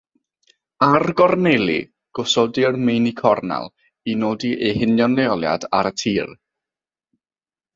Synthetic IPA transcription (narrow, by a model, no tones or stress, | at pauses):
arɡɔrnelˠḭ | ɡ̥ʊsɔdɪrmejnikʰɔrna̰lˠ | inoːdiʔejhɪnjɔneɔlˠja̰daɾətʰiːr